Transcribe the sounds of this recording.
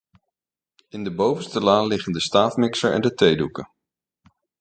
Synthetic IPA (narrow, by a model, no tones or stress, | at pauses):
ɪndəbowvənstəlaːnlɪχəndəstaːfmɪksəɹʔɛ̰ndətejdukə